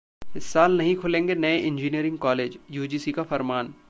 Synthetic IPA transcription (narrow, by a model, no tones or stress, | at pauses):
ɪsːaːlnɐɦĩkʰʊlẽːŋɡenɐeʔɪ̃nd͡ʒiːnijəɾɪ̃ŋɡ̚kɔːleːd͡ʒjuːd͡ʒiːsikafɐɾmaːn